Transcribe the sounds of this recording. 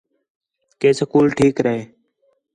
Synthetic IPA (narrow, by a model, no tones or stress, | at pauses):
keːsəkuːlʈʰiːkɾəɦeː